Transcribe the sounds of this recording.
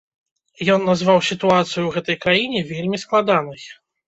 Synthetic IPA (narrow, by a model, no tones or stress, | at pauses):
jɔnːazvawsʲit̪uat̪sɨjuwɣɛt̪ɐjkɾajinʲɛvʲelʲmʲisklˠad̪anɨj